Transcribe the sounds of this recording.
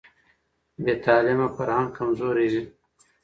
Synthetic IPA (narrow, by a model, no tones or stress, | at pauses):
bet̪ʰɑːlɪmafɐɾhaŋkɐmzoːɾizi